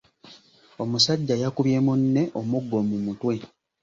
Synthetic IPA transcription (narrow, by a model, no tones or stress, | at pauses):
omusaɟːajakuβje̞ːmunːe̞ʔomuɡːo̞mumutwe̞